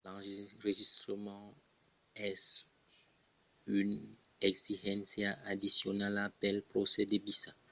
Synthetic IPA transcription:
lɑ̃ʁeʒist̪ɾəmɑ̃ | ɛs | yn | ɛksiʒɛ̃nsjaad̪isjonalapɛlpɾosɛd̪ebisa

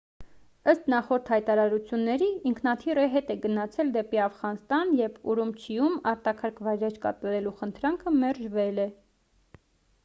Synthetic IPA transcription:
əst̪nɑχɔɾt̪ʰhɑjt̪ɑɾɑɾut͡sʰjunːɛɾiːŋkʰnɑt̪ʰirəɦɛt̪ɛɡənɑt͡sʰɛld̪ɛpiɑfʁɑnst̪ɑnjɛvuɾumt͡ʃʰijumɑɾt̪ɑkʰɑɾkʰvɑjɾɛt͡ʃʰkɑ̰t̪ɑɾɛluχənt̪ʰɾɑŋkʰəmɛɾʒvɛlɛ

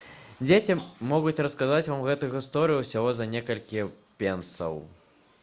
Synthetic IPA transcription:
d͡zʲet͡sʲimɔɣut͡sʲrɐskazat͡sʲvamɣɛt̪ujuɣɨst̪ɔɾɨjuwsʲaɣɔzɐnʲekɐlʲkʲi | pʲɛnsɐ̰w

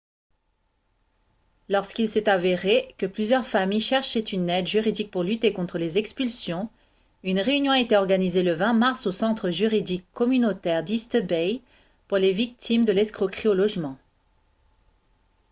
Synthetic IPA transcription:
lɔʁskilsɛt̪aveʁekəplyzjœʁfamijʃɛʁʃɛt̪ynɛd̪ʒyʁid̪ik̚puʁlyt̪ekɔ̃t̪χəlezɛkspylsjɔ̃ | ynʁeynjɔ̃aet̪eɔʁɡanizeləvɛ̃maʁsosɑ̃t̪χəʒyʁid̪ikʰːɔmynot̪ɛʁd̪ist̪əbɛj | puʁlevik̚t̪ʰimd̪əlɛskχokχiolɔʒmɑ̃

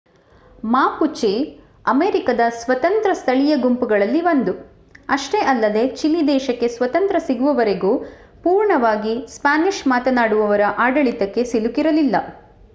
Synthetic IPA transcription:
maːput͡ʃe | ɐmeːɾikɐd̪ɐsʋɐt̪ɐnt̪ɾɐst̪ʰɐɭijɐɡumpuɡɐɭɐlːiʋɐnd̪u | ɐʂʈe̞ʔɐlːɐd̪e̞t͡ʃilːid̪ɛːʃɐkːe̞sʋɐt̪ɐnt̪ɾɐsiɡuʋɐʋɐɾeɡuː | puːɾɳɐʋaːɡispaːniʃmaːt̪ɐnaːɽuʋɐʋɐɾɐʔaːɖɐɭit̪ɐkːe̞silukiɾɐlilːɐ

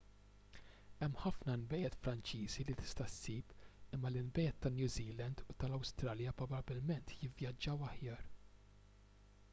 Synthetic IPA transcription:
ɛmːħɐfnɐnbɛjɛt̪fɾɐnt͡ʃiːzilit̪ɪ̥st̪ɐsːiːpɪmːɐlɪnbɛjɛt̪ːɐnjuːziːlɛnd̪ut̪ɐlɐwst̪ɾɐːljɐpɾɔbɐbɪlmɛnt̪ʰjɪvjɐd͡ʒːɐwɐħjɐːɾ

